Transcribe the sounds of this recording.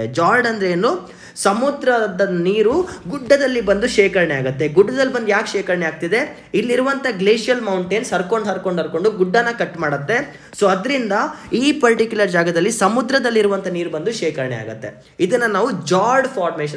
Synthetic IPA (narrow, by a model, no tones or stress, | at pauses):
d͡ʒaːɾɖɐnd̪ɾeeːnːu | sɐmud̪ɾɐd̪ɐniːɾuɡuɖːɐd̪ɐlːibɐnd̪uʃɛːkɐɾɐɳɛaːɡut̪ːe̞ɡuɖːɐd̪ɐlːbɐnd̪ujaːkʃɛːkɐɾɐɳeaːɡ̚t̪id̪e̞ | ilːiɾuʋɐnt̪ʰɐɡleːʂijɐlmɐwɳʈensɐɾko̞ɳɖɦɐɾko̞ɳɖɦɐɾko̞ɳɖuɡuɖːɐnːɐkɐʈːmaːɽɐt̪ːe̞ | soːɐd̪ɾind̪ɐiːpɐɾʈikjulɐɾd͡ʒaːɡɐd̪ɐlːisɐmud̪ɾɐd̪ɐlːiɾuʋɐnt̪ʰɐniːɾubɐnd̪uʃɛːkɐɾɐɳɛa̰ːɡut̪ːe̞ | id̪ɐnːɐnaːʋud͡ʒaːɾɖpʰaːɾmeːʃɐ